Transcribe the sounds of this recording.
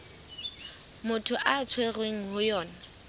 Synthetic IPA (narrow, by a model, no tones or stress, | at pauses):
mʊtʰʊʔat͡sʰwerweŋ̩ɦʊjɔːna